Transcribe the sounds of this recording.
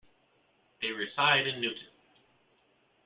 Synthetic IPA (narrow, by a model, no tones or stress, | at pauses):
ðeɪɹɨzaɪɾɨ̃nːʉʔn̩